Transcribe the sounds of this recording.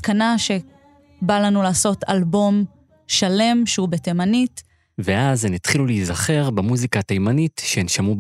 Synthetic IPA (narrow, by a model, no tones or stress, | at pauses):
kanaʃe̞ | balanulaːso̞ta̰lbo̞m | ʃale̞mʃeubetemanit | veʔaznitχilulizaχe̞ʁbamuzikaːtajmanitʃenʃamub